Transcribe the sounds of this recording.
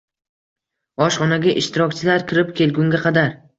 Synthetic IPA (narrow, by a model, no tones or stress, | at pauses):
ɒʃχɒnaɡʲaʔɪʃt̪ɪɾɒkʲt͡ʃʰɪlaɾkʲʰɪɾɪpkʲe̞lɡʲʊŋɡʲaqʰɑd̪aɾ